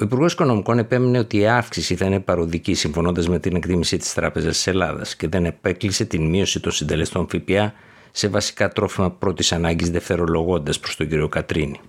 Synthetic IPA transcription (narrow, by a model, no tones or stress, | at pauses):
o̞ipuɾɣo̞si̥ko̞no̞miko̞ne̞pe̞mene̞o̞t̪iɐfksisiθɐine̞pɐɾo̞ðicisiɱfo̞no̞nd̪ɐzme̞t̪ine̞kt̪imisit̪i̥st̪ɾɐpe̞zɐst̪i̥se̞lɐ̰ðɐ̰sce̞ðe̞ne̞pe̞klise̞t̪inmio̞sit̪o̞nsind̪e̞le̞st̪o̞nfipiɐ | se̞vɐsi̥kɐt̪ɾo̞fimɐpɾo̞t̪isɐnɐɲɟizðeft̪e̞ɾo̞lo̞ɣo̞nd̪ɐspɾo̞st̪o̞ɟiɾio̞kɐt̪ɾini